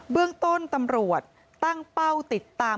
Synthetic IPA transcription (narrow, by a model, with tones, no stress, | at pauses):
bɯ˥˩əŋt̪o˥˩nt̪a˧mɾu˨˩ət̪̚ːa˥˩ŋpa˥˩wt̪i˨˩t̪ːaː˧